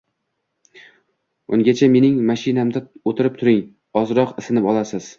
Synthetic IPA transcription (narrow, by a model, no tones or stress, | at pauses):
ʊŋɡʲat͡ʃʰame̞nɪŋmaʃɪnamd̪aot̪ʰɪɾɪp̚t̪ʰʊɾɪŋ | ɒzɾɒqɪsɪnɪpɒlˠasɪz̥